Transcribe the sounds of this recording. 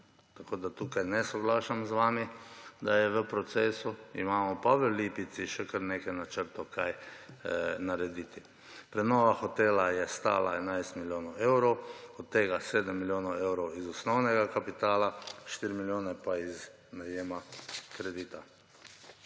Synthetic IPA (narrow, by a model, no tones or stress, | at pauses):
t̪akoːd̪at̪uːkajnɛsɔɡlaːʃamzʋaːmid̪ajɛʋəpɾɔt̪seːsuḭmaːmɔpaʋəliːpit̪siʃɛkəɾneːkɛnat͡ʃəɾt̪okaj | naɾɛd̪it̪i | pɾɛnɔʋaxɔt̪eːlajɛst̪a̰ːlʔa̰ɛnajst̪miljoːnaɛwɾowɔt̪ːeːɡaseːd̪əmːiljoːnaɛwɾowizɔsnɔwnɛɡakapit̪aːlaʃt̪iɾimiljoːnɛpaiz | najeːmakɾɛd̪iːt̪a